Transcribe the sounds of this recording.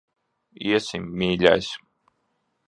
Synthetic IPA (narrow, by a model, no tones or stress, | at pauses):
iɛsimːiːlʲa̰js